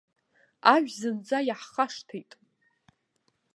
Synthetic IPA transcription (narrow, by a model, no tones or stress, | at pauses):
aʒᶣzɨnd͡zajaħχaʂtʰejtʼ